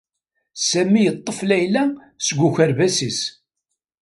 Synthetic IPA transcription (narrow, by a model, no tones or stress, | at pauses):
sæmːijət̪ˤːəflæjlæ | səɡʷuçæɾvæsis